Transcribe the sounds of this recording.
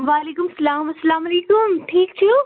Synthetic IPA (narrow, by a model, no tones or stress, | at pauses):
ʋaːleːkʊmsɐlaːmɐsɐlaːmɐleːkʊmʈʰiːkt͡ɕʰjuo